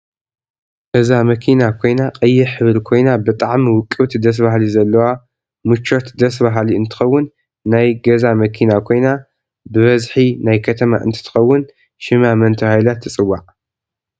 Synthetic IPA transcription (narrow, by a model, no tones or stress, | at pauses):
ɡɐzamɐkʰinakʰo̞jnaqʼɐjːɪħɨβɾkʰo̞jnabɨt̪ʼaʕmiwʊkʼːɨβt̪ʰid̪ɐs̬baɦlizɐlːɐwa | mɨt͡ʃːot̪d̪ɐs̬baɦliɨnt̪ʰɨ̥xɐwːʊnː | ajɡɐzamɐkʰinakʰo̞jna | bɨβɐzħinajkʰɐt̪ʰɐma̰ʔɨ̰nt̪ʰɨ̥t̪ʰɨ̥xɐwːʊn | ʃɨmamɐnt̪ʰɨhajlat̪ʰːɨt͡sʼɨwːaʕ